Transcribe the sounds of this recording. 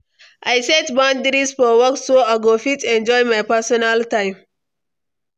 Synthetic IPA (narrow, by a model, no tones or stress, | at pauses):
ʔajsɛtbɔ̃ndɾisfɔwɔksːoaɡofitɛ̃nd͡ʒɔjmajpɛsɔnaltãɪ̃m